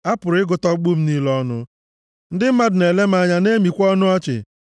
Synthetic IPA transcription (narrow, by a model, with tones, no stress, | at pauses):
a˦pʊ˨ɾɪ˦ɡʊ˨tɔ˦ɡ͡bu˦m̩˦ni˦lɔ˦nʊ˦ | n̩˦dɪ˦m̩˦ma˦dʊ˨ne˨le˦m̩˦a˦ɲa˦ne˦mi˨kʷɔ˦nʊ˦ɔ˦t͡ʃɪ̰˨